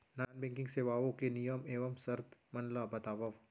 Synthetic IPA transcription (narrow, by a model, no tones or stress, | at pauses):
naːnbɛ̃ːŋkɪ̃ŋɡseʋaːʋõkenijəmeːʋəmsɐɾt̪mɐnlabɐt̪aːʋɐʋ